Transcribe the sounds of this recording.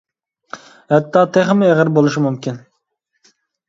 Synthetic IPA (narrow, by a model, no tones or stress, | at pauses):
hɛt̪ʰːɑːt̪ʰeχmɪeʁɪɾbolˠuʃimumkʲin